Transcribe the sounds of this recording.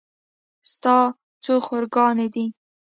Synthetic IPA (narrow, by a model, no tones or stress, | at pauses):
st̪ɑ | t͡soxoɾɡɑned̪i